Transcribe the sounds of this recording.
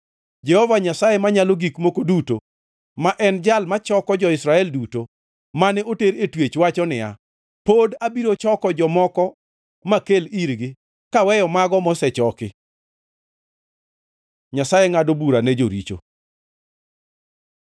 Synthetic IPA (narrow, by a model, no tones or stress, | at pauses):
d͡ʒɛhɔvaɲasajemaɲaloɡikmokoduto | maʔɛnd͡ʒalmat͡ʃɔkɔd͡ʒɔɪsɾaɛlduto | manɛʔoteɾetwet͡ʃwat͡ʃɔnɪja̰ | podabiɾot͡ʃɔkɔd͡ʒɔmɔkɔ | makeliɾɡɪ | kawɛjɔmaɡɔmɔsɛt͡ʃɔkɪ | ɲasajeŋadobuɾanɛd͡ʒo̰ɾḭt͡ʃo̰